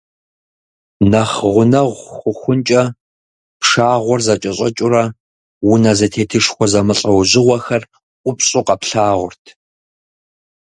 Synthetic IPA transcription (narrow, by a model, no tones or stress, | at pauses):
nɐχʁʷʊnɐʁʷxʷʊxʷʊnt͡ʃʼɐ | pʂaːʁʷʊrzɐt͡ʃʼɐɕʼɐt͡ʃʼʊrɐ | wʊnɐzɐtʰeːtʰɨʂxʷɔzɐmɨɬʼɐwʑɪʁʷɔxɐr | ʔʷʊpɕʼʊqɐpɬaːʁʷʊrtʰ